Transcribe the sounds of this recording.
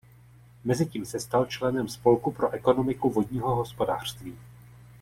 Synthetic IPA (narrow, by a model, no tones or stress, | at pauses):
mɛzɪciːmsɛst̪alt͡ʃlɛnɛmspo̞lkupɾo̞ʔɛko̞no̞mɪkuvo̞dɲiːɦo̞ɦo̞spo̞da̰ːr̝̥st̪viː